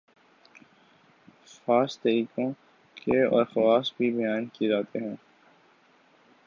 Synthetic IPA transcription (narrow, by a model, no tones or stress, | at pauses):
xaːst̪ɐɾiːkõ | keɔ̰ːɾxɐwaːsbʱibɐjaːnkid͡ʒaːt̪eɦɛ̃ː